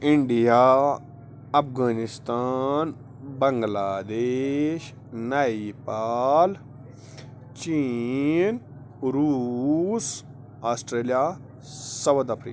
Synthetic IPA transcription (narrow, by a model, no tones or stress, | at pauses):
iɳɖija | ɐpʰɡaːnist̪aːn | bɐŋɡlaːd̪eʃ | naipal | t͡ʃi | n | ɾuːs | aːsʈɾeːlija | sɐwəd̪ɐpʰɾḭːk